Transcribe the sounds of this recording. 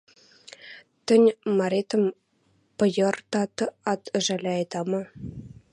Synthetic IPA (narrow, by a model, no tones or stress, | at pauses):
t̪ʲɘ̆nʲmɑɾʲet̪ɤ̆m | pɤ̆jɤ̆rt̪ɑt̪ɤɑt̪ɘ̆ʐælʲeɑjd̪ɑmɤ̆